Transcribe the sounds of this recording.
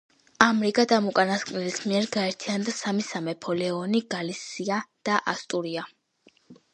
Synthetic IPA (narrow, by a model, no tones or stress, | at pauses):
amɾiɡad̪amukʼanaskʼmnɛlismiɛɾɡaɛɾt̪ʰiand̪asamisamɛpʰɔlɛɔniɡalisiad̪̥aʔast̪ʼuɾia